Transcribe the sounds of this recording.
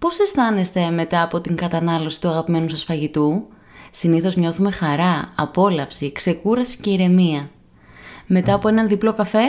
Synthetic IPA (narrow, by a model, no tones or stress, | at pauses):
po̞se̞st̪ɐne̞st̪e̞me̞t̪ɐːpo̞t̪iŋkɐt̪ɐnɐlo̞si̥t̪uɐɣɐpime̞nusɐsfɐʝit̪u | siniθo̞zɲo̞θume̞xɐɾɐɐpo̞lɐfsikse̞kuɾɐsi̥ce̞iɾe̞miɐ | me̞t̪ɐːpoenɐnðiplo̞kɐfe̞